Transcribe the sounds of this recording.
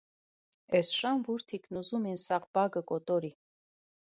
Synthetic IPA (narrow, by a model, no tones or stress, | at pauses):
ɛsʃɑnvuɾt̪ʰiknuzuminsɑʁbɑɡəkɔt̪ɔɾi